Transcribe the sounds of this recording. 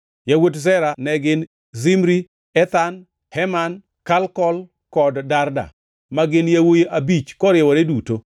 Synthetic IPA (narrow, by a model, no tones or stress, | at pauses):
jawot̬zɛɾanɛɡɪn | zimɾi | ɛt̪an | hɛman | kalkɔl | kɔddarda̰ | maɡɪnjawojeʔabit͡ʃkɔɾɪɛwɔɾeduto